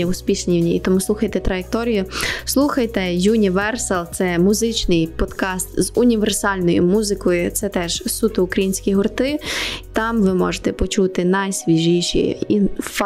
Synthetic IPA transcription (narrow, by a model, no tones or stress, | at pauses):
ɐʊsʲpʲiʃʲnʲiwnʲiḭt̪ɔmuslˠuxɐjt̪ɛt̪ɾɐjek̚t̪ɔɾʲijʊslˠuxɐjt̪ɛjunʲiʋɛrsɐlˠt̪sɛmʊzɪt͡ʃnɪjpɔd̪kɑst̪zʊnʲiʋersɑlʲnɔjʊmuzɪkɔjʊt̪sɛt̪ɛʒ̥sut̪ʊʊkɾɐjinʲsʲkʲiɦʊrt̪ɪt̪ɑmʋɪmɔ̰ʒet̪ɛpɔt͡ʃut̪ɪnɐjsʲʋʲiʒiʃḭinf